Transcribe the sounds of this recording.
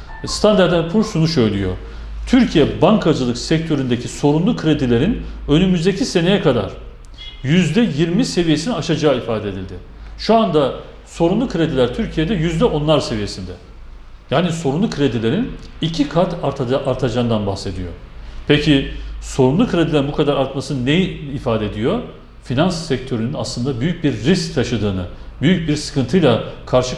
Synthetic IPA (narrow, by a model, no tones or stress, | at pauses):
st̪ʰand̪aɾd̪ænpʰusunuʃø̞jlʲyjo̞̰ | t̪ʰyɾcʰijɛbaŋkʰad͡ʒɯlˠɯksɛc̚t̪ʰø̞ɾynd̪ecʰiso̞ɾunlˠukʰɾe̞d̪ilʲe̞ɾinø̞nymyzd̪ecʰise̞nejɛkʰad̪a̰ɾ̥ | jyzd̪ɛjiɾmise̞vije̞siniaʃad͡ʒaːifaːd̪ed̪ilʲd̪ɪ | ʃuand̪a | so̞ɾunlˠukʰɾe̞d̪ilʲæɾt̪ʰyɾcʰijed̪ɛjyzd̪ɛʔo̞nlˠaɾse̞vije̞sind̪ɛ | jaːniso̞ɾunlˠukʰɾe̞d̪ilʲe̞ɾinicʰikʰaɾt̪ʰaɾʰaʔaɾt̪ʰad͡ʒaːnd̪anbaxse̞d̪ijo̞̰pʰecʰiso̞ɾunlˠukʰɾe̞d̪ilʲeɾinbukʰad̪aɾaɾt̪masɯnɯnejiifaːd̪eed̪ijo̞ | finansːɛc̚t̪ʰø̞ɾynyna̰slˠɯnd̪abyjyc̚biɾːisc̚t̪ʰaʃɯd̪ɯːnɯbyjyc̚biɾsɯ̥kʰɯnt̪ʰɯjlˠakʰaɾʃɯ